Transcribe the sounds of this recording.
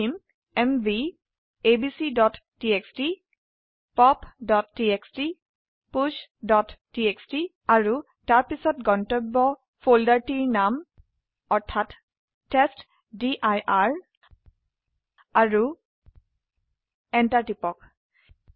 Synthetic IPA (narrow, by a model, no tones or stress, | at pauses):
im | ɛmvi | ebisidɔtːieksti | pɔpdɔtːieksti | pusdɔtːiekstitaɹu | taɹpisɔtɡɔntɔbːɔ | pʰoldaɹtiɹnam | ɔɹtʰatː | est | diʔajʔaɹ | aɹu | ɛntaɹtipɔk